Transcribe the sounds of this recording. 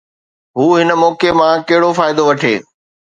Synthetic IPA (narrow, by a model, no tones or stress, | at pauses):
ɦuːɦɪnə̆mɔːkemãkɐɦɪɽofaːɪd̪oʋɐʈʰḛː